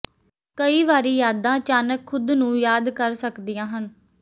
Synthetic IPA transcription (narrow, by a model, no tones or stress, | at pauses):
kəiːʋaːɾiːjaːd̪ãːt͡ʃaːnəkʰːʊd̪nũːjaːd̪kəɾsəkd̪ɪjãːɦən